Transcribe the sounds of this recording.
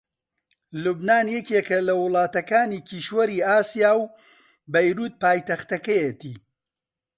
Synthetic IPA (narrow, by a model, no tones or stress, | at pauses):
lubnaːnjɛcekɐlɐwʊlˠɑːt̪ɐkaːniːkiːʃwɐɾiːaːsijaːw | bɐjɾuːt̪̚paːjt̪ɐxt̪ɐkɐjet̪iː